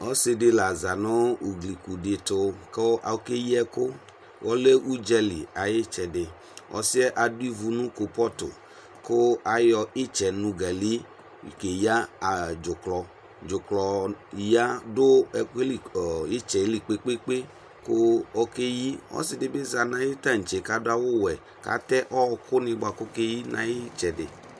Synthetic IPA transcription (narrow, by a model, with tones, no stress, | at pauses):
ɔ˦sɪ˨dɪ˨la˨za˨nʊ˦u˨ɡli˨ku˨de˨tʊ˨ke˦a̰˨˦ke˦ji˦ɛ˦kʊ˦ | wʔɔ˦le˦u˦d͡ʒɛ˦lḭ˨a˨je˦t͡ʃɛ˨dɪ˨ | ʔɔ̰˨si˦ɛ˦ʔa˨du˦i˦vu˨nũ˦ko˨pɔ˦tʊ̰˨ | kʊ˦a˨jɔ˨ɪ˦t͡ʃɛ˨nũ˨ɡa˨li˦˨ | ke˨ja˦˨d͡ʒʊ˨klɔ˨ | d͡ʒʊ˨klɔ˨ja˦dʊ˦˨˦lɪ˦t͡ʃɛ˨˦li˨k͡pe˦k͡pe˦k͡pe˦ | kʊ˦ɔ˦ke˦ji˦ɔ̰˦sɪ˨dɪ˨be˦za˨nã˦jɪ˦ta˦n̩˨t͡ʃe˨ka˨dʊ˦a˨wʊ˦wɛ˨ | ka̰˨˦tɛ˦ʔɔ˦˧kʊ˦nɪ̃˧ɡ͡ba˨kʊ˦ke˦ji˦nã̰˨jɪ˦t͡ʃɛ˨dɪ̰˨